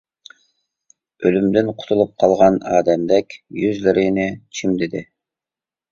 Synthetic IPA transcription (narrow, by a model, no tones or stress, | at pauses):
ølymd̪ɪnqʰʊ̥t̪ʰulˠup̚qʰɑlˠʁɑnɑːd̪ɛmd̪ɛkʲjyzlɪɾɪnɪt͡ʃʰimd̪ɪd̪ɪ